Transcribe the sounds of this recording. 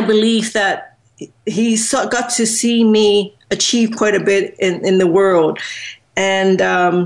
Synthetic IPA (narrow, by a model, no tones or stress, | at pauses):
ɪbɨlifðɨt̚ | ɦisʌɡ̥ɑtʰɨsimi | ɨt͡ʃʰiv̥kʰw̥ɔãɪ̃ɾɨbɪɾɪ̃nɪ̃nðəwɜ˞lˠd̥ | ɨ̃nʌ̃m